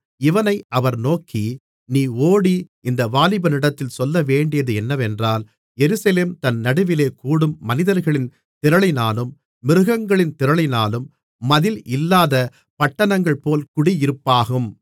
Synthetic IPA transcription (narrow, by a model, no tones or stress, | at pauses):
ɪʋɐnɐɪʔɐʋɐɾnoːkʰːi | niːoːɽiʔɪnd̪ɐʋaːlɪbɐnɪɽɐt̪ːɪlsɔlːɐʋeːɳɖɪjɐðɯɛnːɐʋɛndraːl | jɛɾɯsɐleːmt̪ɐnnɐɽɯʋɪleːkuːɽɯmːɐnɪðɐɾɣɐɭɪn | t̪ɪɾɐɭɪnaːlɯmː | ɪɾɯɣɐŋɡɐɭɪnt̪ɪɾɐɭɪnaːlɯmː | ɐðɪlɪlːaːðɐ | pɐʈːɐɳɐŋɡɐɭpoːlkʊɽiɪɾɯpːaːɣɯm